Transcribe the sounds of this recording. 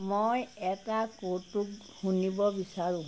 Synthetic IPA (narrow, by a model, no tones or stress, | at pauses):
mojɛtakotːuk | hunibɔbisaɹʊ̃